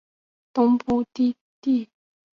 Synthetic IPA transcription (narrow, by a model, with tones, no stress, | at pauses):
t̪ɔ˥ŋpu˥˨t̪i˥˨ | t̪i˥˨